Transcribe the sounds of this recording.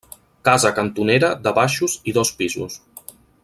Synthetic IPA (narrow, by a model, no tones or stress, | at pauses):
kazəkənt̪uneɾəðəβaʃuziðɔspizṵs